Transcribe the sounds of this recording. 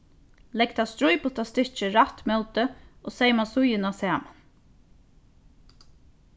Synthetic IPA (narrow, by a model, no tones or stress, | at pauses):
lɛk̚t̪ʰast̪ɾʊjpʊt̪ʰast̪ɪ̥t͡ʃəɾat̪mœlt̪əoːsejmasʊjɪnasæːman